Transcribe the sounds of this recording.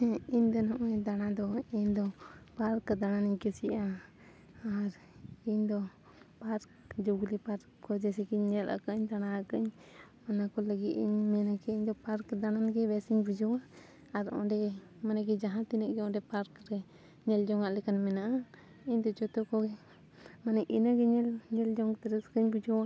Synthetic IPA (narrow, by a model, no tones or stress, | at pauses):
iɲd̪ɔnɔʔɔd̪añad̪ɔiɲd̪ɔpaɾkd̪ananiɲkɛsiʔaː | ɾ | iɲd̪ɔ | paɾk | d͡ʒoɡlipaɾkkɔd͡ʒɛsɛkiɲːɛlʔa̰kaʔɲd̪añaakaɲ | anakɔləɡit̪iɲmɛnakɛiɲd̪ɔpaɾkd̪ananɡɛbɛsiɲbud͡ʒɔwaʔ | aɾɔ̰̃ɖɛ | manaɡɛd͡ʒaɦãt̪inəʔ̚ɡɛɔ̃ɖɛpaɾkɾɛ | ɲɛld͡ʒɔŋaʔlɛkanmɛnaʔa | iɲd̪ɔt͡ʃɔt̪ɔkɔɡɛ | manɛʔinaɡɛɲɛlɲɛld͡ʒɔŋt̪ɛɾɛskəɲbud͡ʒɔa